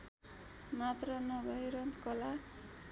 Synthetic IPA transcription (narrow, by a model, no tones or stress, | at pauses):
mat̪rʌnʌbʱʌjɾʌnt̪kʌla